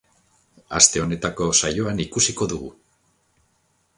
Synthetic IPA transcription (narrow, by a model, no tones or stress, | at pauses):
a̰st̪e̞o̞ne̞t̪ako̞sajo̞anikusiko̞ðuɣu